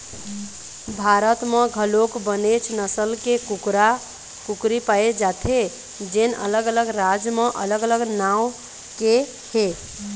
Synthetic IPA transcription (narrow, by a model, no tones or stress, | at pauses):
bʱaɾət̪mẽɡʱəlokbənet͡ʃʰnəsəlkekuɾa | kukɾipaed͡ʒat̪ʰe | d͡ʒenə̰ləɡələɡɾad͡ʒmeʔələɡələɡnaw | ke | he